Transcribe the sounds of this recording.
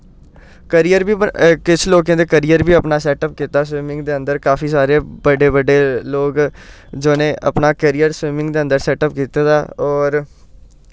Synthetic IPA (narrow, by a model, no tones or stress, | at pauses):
kəɾijəɾbiːəkɪt͡ʃʰloːkẽːd̪eːkəɾijəɾbiːəpnaːsɛːʈəp̚kiːt̪aːsʋɪmɪ̃ŋɡd̪eːə̃nd̪əɾkaːfiːsaːɾeːbəɖeːbəɖeːloːɡ | d͡ʒoːnẽːʔə̰pnaːkəɾiːjəɾswɪmɪ̃ŋɡd̪eːə̃nd̪əɾsɛːʈəp̚kiːt̪eːt̪aːɔːɾ